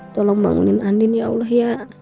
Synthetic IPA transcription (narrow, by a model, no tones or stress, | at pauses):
t̪ɔlɔŋba̰ŋṵninandinjaulaɦjaʔ